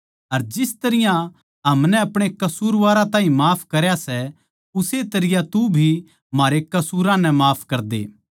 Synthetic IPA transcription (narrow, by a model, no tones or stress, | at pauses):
ɐɾd͡ʒɪst̪ɐɾɪjã | ɦɐmnɛɐpɽ̃ekɐsuːɾʋaːɾãt̪ãːɦĩmaːpʰkɐɾjasɛ | ʊset̪ɐɾɪjãt̪ubʱi | maːɾekɐsuːɾãnɛ̃maːpʰkɐɾd̪ḛː